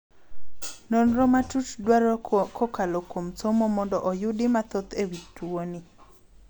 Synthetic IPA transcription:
nɔnɾɔmatutdwaɾɔkʰɔkalokwomsomomɔndɔʔɔjʊdɪmat̪ot̪ewitwoni

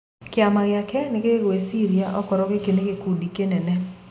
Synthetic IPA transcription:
kɪamaɣɪakɛnɪkeɡwesiɾiaʔɔkɔɾɔkekenekekudikenenɛ

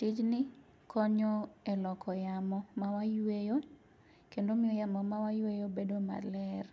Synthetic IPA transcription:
tid͡ʒnɪ | kʰɔɲɔelɔkʰɔjamɔmawajwejo | kendomɪojamɔmawajwejobedoma̰lɛr

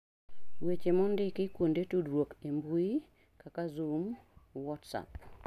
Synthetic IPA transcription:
wet͡ʃemɔndɪkɪkwondetudɾwokembui | kakazumwɔtsa̰p

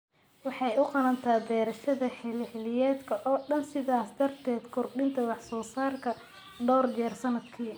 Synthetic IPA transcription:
wɑħɑjʊqɑlɐnt̪ʰaːbɛːɾɐʃɐðɐħɪlħɪlɪjɛːd̪kʰɐʔɔːɖɐnsɪðaːsd̪ɐrt̪ʰɛːd̪kʰʊrɖɪnt̪ʰɐwɑħsɔːsaːrkʰɐ | ɖɔːrd͡ʒɛːrsɐnɐd̪kʰiː

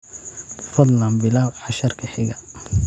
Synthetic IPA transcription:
fɐd̪lɐmbɪlaːwħɑʃɐrkʰɐħɪɣɐ

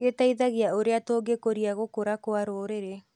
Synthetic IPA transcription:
etaiðaɣeaoɾeatoːɡekoɾiaɣokoɾakoaɾoːɾeɾe

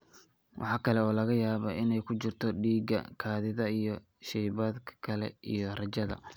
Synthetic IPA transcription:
wʔɑ̰ħɑːkʰɐlɛɔːlɐɣɐjaːβɐɪnɛjkʰʊt͡ʃɪrt̪ʰɔɖiːɡɐ̰kʰaːðɪðɐijɞ | ʃɛjβaːd̪kʰɐ̥kʰɐlɛ̰ʔijɔrɐt͡ʃɐðɐ̰

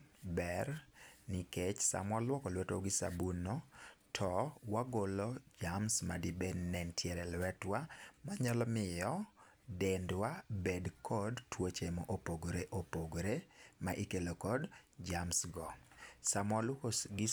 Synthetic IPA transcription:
bɛɾniket͡ʃsa̰mwɔlwɔkɔlwɛtwɔɡɪsa̰bunotʰɔwaɡolɔd͡ʒamsmadibednɛntʰjɛɾɛlwɛtwamaɲɔlɔmɪjɔ | dendwabedkʰɔdtwot͡ʃemoʔopoɡɾeʔopoɡɾemaʔikelokɔdd͡ʒamsɡɔsamwɔlʊkoɡɪ

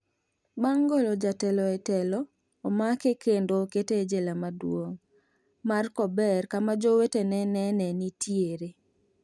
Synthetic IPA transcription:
baŋɡolɔd͡ʒatɛlɔɛtɛlɔː | makekendoketed͡ʒelamadwoŋ | markɔbɛrkamad͡ʒowetenɛnɛnɛnitʰieɾe

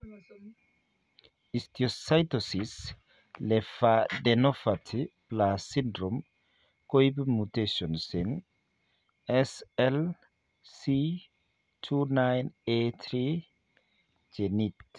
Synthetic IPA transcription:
ist̪iosajt̪osis | lefadenofatʰiplasindɾom | kojbmut̪eʃonsin | esel | si | tʰunajnet̪ʰɾi | d͡ʒenit̪

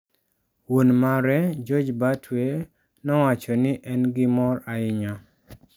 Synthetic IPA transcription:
wonmaɾɛd͡ʒɔd͡ʒbatʰwe | nɔwat͡ʃɔnɪʔɛnɡɪmɔɾaɪɲɔ

